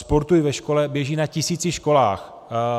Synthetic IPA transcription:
spo̞ɾt̪ujɪvɛʃkolɛbjɛʒiːnacɪsiːt͡sɪʃko̞laːx

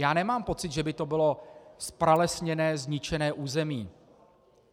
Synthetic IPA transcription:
jaːnɛmaːmpo̞t͡sɪt̪ʒɛbɪt̪o̞bɪlo̞spɾalɛsɲɛnɛːzɲɪt͡ʃɛnɛːʔuːzɛmiː

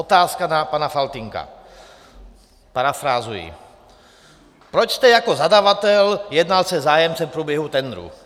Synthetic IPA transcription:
ot̪aːskanapanafalt̪iŋka̰ | paɾafɾaːzujḭ | pɾot͡ʃst̪ɛjakozad̪avat̪ɛljɛd̪nalsɛzaːjɛmt͡sɛmpɾuːbjɛɦut̪ɛnd̪ɾṵ

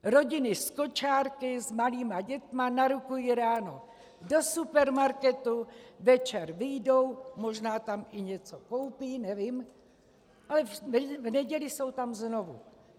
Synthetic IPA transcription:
ɾo̞ɟɪnɪsko̞t͡ʃaːɾkɪzmaliːmaɟɛt̪manaɾukujiɾaːno̞ | do̞supɛɾmaɾkɛt̪uvɛt͡ʃɛɾvɪjdo̞wmo̞ʒnaːt̪amʔɪɲɛt͡so̞ko̞wpiːnɛvim | ʔalɛvnɛɟɛlɪso̞wt̪amzno̞vṵ

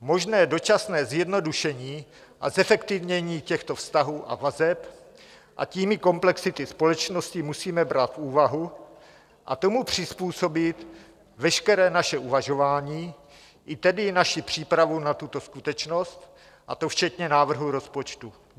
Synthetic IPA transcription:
mo̞ʒnɛːdo̞t͡ʃasnɛːzjɛdno̞duʃɛɲiː | ʔazɛfɛkt̪ɪvɲɛɲiːcɛxt̪o̞fst̪aɦuːʔa̰vazɛp | ʔa̰ciːmɪko̞mplɛksɪt̪ɪspo̞lɛt͡ʃno̞scɪmusiːmɛbɾat̪fuːvaɦu | ʔa̰t̪o̞mupr̝̥ɪspuːso̞bɪt̪ | vɛʃkɛɾɛːnaʃɛʔuvaʒo̞vaːɲiː | ʔɪt̪ɛdɪnaʃɪpr̝̥iːpɾavunat̪ut̪o̞skut̪ɛt͡ʃno̞st̪ | ʔat̪o̞ft͡ʃɛt̪ɲɛnaːvr̩ɦuɾo̞spo̞t͡ʃt̪u

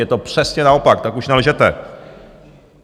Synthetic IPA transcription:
jɛt̪o̞pr̝̥ɛsɲɛnao̞pak̚t̪akuʃnɛlʒɛt̪ɛ̰

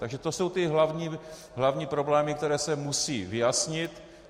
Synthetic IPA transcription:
t̪aɡʒɛt̪oso̞wt̪ɪɦlavɲiː | ɦlavɲiːpɾo̞blɛːmɪkt̪ɛɾɛːsɛmusiːvɪjasɲɪt̪

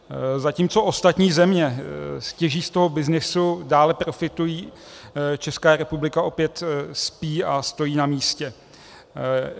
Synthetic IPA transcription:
zaciːmt͡so̞ʔo̞st̪at̪ɲiːzɛmɲɛscɛʒiːst̪o̞ɦo̞bɪznɪsudaːlɛpɾo̞fɪt̪ujiː | t͡ʃɛskaːɾɛpublɪkaʔo̞pjɛt̪spiːast̪o̞jiːnamiːscɛ

